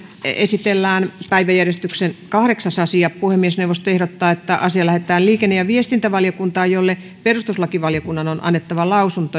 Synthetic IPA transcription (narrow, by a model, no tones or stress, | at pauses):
ḛsit̪elːæːnpæiʋæjærjest̪yksenkɑhɾeksɑsɑsiɑpuhemːiesnewʋːˑost̪oehɾot̪ːɑːet̪ːæʔɑsiɑlæhet̪ˑæːlliːkenːejɑʋiest̪int̪æʋɑljokunt̪ɑːjjolːe | perust̪uslɑkiʋɑljokunːɑnonʔɑ̰nːet̪ːɑʋɑlɑusunt̪o